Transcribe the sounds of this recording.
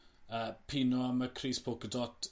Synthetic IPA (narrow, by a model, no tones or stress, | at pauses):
əːpʰinɔaməkʰriːspʰoːkədɔt